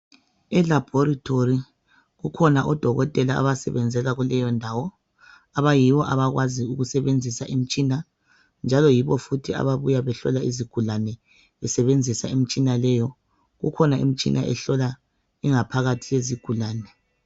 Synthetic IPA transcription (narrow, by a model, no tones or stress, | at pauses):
ɛlab̥ʱɔɾitʰori | ɣukʰɔnaʔɔd̥ʱɔɣɔtʼɛlaa̰βasɛβɛnd͡zʱɛɣaɣulɛjɔndʱawɔ | aβajiwɔʔaβaɣwaziuɣusɛβend͡zʱisaʔim̩t͡ʃʼina | nd͡ʒʱalɔjiβɔfutʰia̰βaβujaβɛɬɔ̰laiziɡ̥ʱulanɛ | βɛsɛβend͡zʱisaem̩t͡ʃʼinalɛjɔ | ɣṵkʰɔnaḭm̩t͡ʃʼḭnʔa̰ʔɛ̰ɬɔla | iŋapʰaɣatʰijeziɡ̥ʱulaːnɛ